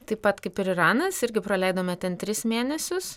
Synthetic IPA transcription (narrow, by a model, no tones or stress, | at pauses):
t̪ɐɪpɐt̪kɐɪpɪɾɪrɑːnɐsɪɾʲɡʲɪpɾɐlʲɛɪd̪oːmʲɛt̪ʲɛnt̪ʲɾʲɪsmʲeːnʲɛsʲʊs